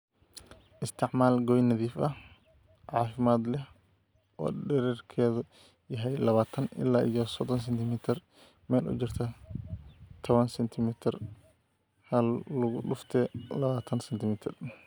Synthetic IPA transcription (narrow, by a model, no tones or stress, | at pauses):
ʔɪst̪ʰɪʕmaːlɡɔjnɐðiːfɐh | ʕɑːfɪmaːd̪lɛh | ʔɔ̰ːɖɛɾɛrkʰɛːðʊ | jɐɦɛjlɐβaːt̪ʰɐnɪ̰lːaːʔijɔsɔd̪ɔns̬ɛnt̪ʰɪmɪt̪ʰɪr | mɛːlʊ̰t͡ʃɪrt̪ʰɐ | t̪ʰɔβɐnsɛnt̪ʰɪmɪt̪ʰɪr | hɐlːʊɣʊɗʊft̪ʰɛːlɐβaːt̪ʰɐnsɛnt̪ʰɪmɪt̪ʰɪr